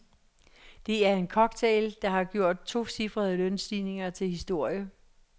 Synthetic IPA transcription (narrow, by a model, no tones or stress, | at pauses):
d̥e̝æɐe̝nkʰɒ̽ɡ̥̚t͡sʰeːld̥ɑ̈ɦɑ̈ɡ̥jo̝ɐ̰d̥̚t͡sʰo̝̰ːsifʁɐð̞ˠəlœnsd̥ḭːne̝ŋɐt͡sʰe̝lhisd̥o̝ɐ̰jə